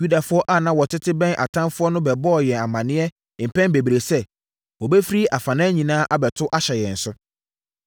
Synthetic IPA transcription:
ju˦da˨fʊ˦ɔ˦ʔa˦˨nã˨˦wɔ˨tʰɪ˦tʰɪ˦bɛ̃˦nʔa̰˨tʰã˦mfʊ˦ɔ˦nʊ̃˦bɛ˨bɔː˦˨jɛ̃˨a˨mã˨nɪ̃˦ɛ˦˨ | m̩˨pɛ̃˦nbe˨bi˨ɾe˨sɛ˦ | wɔ˨bɛ˦fi˦ɾi˦ʔa˨fã˨nã˦ɲĩ˨nãː˦ʔa˦bɛ˨tʰʊ˦ʔa˦ɕɛ˨jɛ̃˨n̩˨sʊ˦

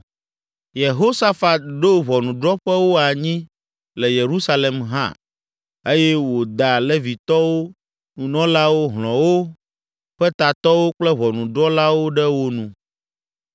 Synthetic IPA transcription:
je˨ɦo˦sa˦fa˨t̪̚ɖo˦βɔ˨nũ˨ɖɾɔ˦ɸɛ˦wo˦a˨ɲĩ˦ | lɛ˨je˨ɾu˦sa˦le˨mɦã̰˦ | e˦jɛ˦wo˨d̪a˨lɛ˦vi˨t̪ɔ˦wo˦ | nũ˨nɔ̃˦la˦wo˦ɦlɔ̃˨wo˦ | ɸɛ˦t̪a˨t̪ɔ˦wo˦k͡plɛ˦βɔ˨nũ˨ɖɾɔ˦la˦wo˦ɖɛ˦wo˦nũ˨

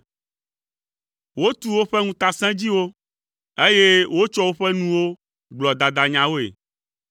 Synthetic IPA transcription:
wo˦t̪u˦˨wo˦ɸɛ˦ŋũ˦t̪a˨sɛ̃˦d͡ʑi˦wo˦ | e˦je˦wo˦t͡ʃɔ˦wo˦ɸɛ˦nũ˦wo˦ | ɡ͡blɔ˨d̪a˨d̪a˨ɲã˨wo˦ḛ˨

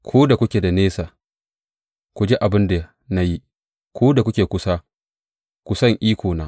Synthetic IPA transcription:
kʷʰoː˦da˨kʷʊ˦kʲeː˨da˨neː˦saː˨ | kʷu˨d͡ʒe˦ʔa˨bɪ˦nda˨ | na˦ji˦ | kʷʰoː˦da˨kʷʊ˦kʲeː˨kʷʊ˦sa˦ | kʷʊ˨sɐ˦˨ŋʔiː˦kʷoː˨naː˦

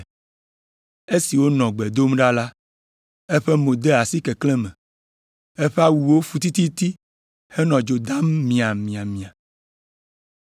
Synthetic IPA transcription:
e˦si˨wo˦nɔ̃˨ɡ͡bɛ˨d̪o˦mɖa˦la˦ | ɛ˦ɸe˦mo˨d̪e˦a˨si˦kɛ˨klɛ̃˦mɛ̃˨ | ɛ˦ɸe˦a˦wu˨wo˦fu˨t̪i˦t̪i˦t̪i˦ | hɛ˦nɔ̃˨d͡ʒo˨d̪a˦mːĩ˨a˨mĩ˨a˨mĩ˨a˨

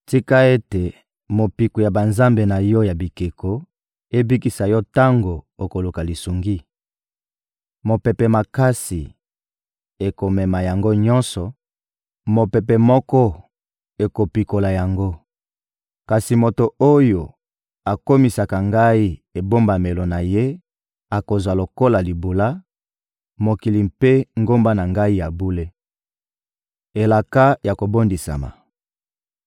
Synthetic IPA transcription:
ti˦ka˦e˦te˨ | mo˨pi˨ku˨ja˨ba˨nza˦mbe˨na˨jɔ˦ja˨bi˨ke˨ko˦ | e˦bi˦ki˨sa˨jɔ˦ta˦ŋɡo˨o˨ko˨lu˨ka˨li˨su˨ŋɡi˦ | mo˨pɛ˨pe˨ma˨ka˦si˨ | e˨ko˨mɛ˨ma˨ja˨ŋɡo˦ɲɔ̃˦nsɔ˨ | mo˨pe˨pe˨mɔ˦kɔ˦ | e˨ko˨pi˨ko˨la˨ja˨ŋɡo˦ | ka˨si˨mo˨to˨o˦jo˨ | a˨ko˦mi˨sa˨ka˨ŋɡa˦i˦e˨bo˦mba˨me˨lo˨na˨je˦ | a˨ko˨zwa˨lo˨ko˦la˨li˨bu˨la˦ | mo˨ki˨li˨mpe˦ŋɡo˦mba˦na˨ŋɡa˦i˦ja˨bu˦le˦ | e˨la˨ka˦ja˨ko˨bo˦ndi˨sa̰˨ma̰˨

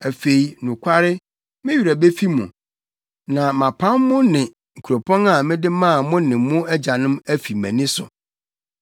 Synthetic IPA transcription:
æ˨fe˨i˨nũ˨kʷʰa˦ɾɪ˦ | mɪ̃˦ɥi˨ɾæ˨be˦fi˦mũ˨ | nã˨mã˨pʰã˦mːʊ̃˦nɪ̃˨ | ŋ̩˨kʰu˨ɾo˨pʰɔ̃˦na˨mɪ̃˦dɪ˦mãː˦˨mʊ̃˦nɪ̃˨mːʊ̃˦ɛ˦d͡ʑa˨nɪ̃˦mæ˦fi˨mæ̰̃˨nĩ˦sʊ̰˨

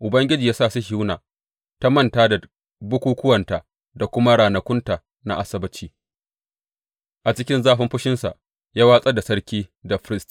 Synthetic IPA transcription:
ʔʊ˨bɐ˦ŋɡʲɪ˦d͡ʒiː˨jaː˦saː˦˨si˦ʃi˦wnaː˨ | ta˦mɐ˦ntaː˦da˨ | bʊ˦kʷuː˦kʷʊ˦wɐ˨nta˨ | da˨kʷʊ˦ma˦ɽaː˨nɐ˨kʷʊ˦ntaː˨ | na̰˦ʔa˨sɐ˦bɐ˦t͡ʃiː˦ | ʔa˨t͡ʃɪ˦kʲɪ˦nzaː˦ɸɪ˦mɸʊ˦ʃɪ˦nsa̰˨ | jaː˦waː˦sʼɐ˦da˨sɐ˦ɽkʲiː˦da˨ɸɪ˦ɪ˦st

